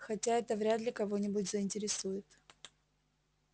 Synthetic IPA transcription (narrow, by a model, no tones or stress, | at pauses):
xɐtʲaɛt̪əvɾʲad̪lʲɪkɐvo̞nʲɪbʊtʲzəɪnʲtʲɪɾʲɪsujɪt̪